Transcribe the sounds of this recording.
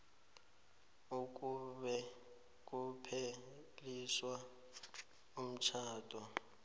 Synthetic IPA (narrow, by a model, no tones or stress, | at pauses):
uk̬ʼuɓɛ | k̬ʼupʰe | liswa | um̩t͡ʃʰaːtʼwɔ